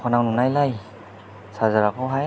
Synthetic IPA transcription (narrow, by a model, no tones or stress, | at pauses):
kʰɔnawnunajlaj | sazaɾakʰɔɦa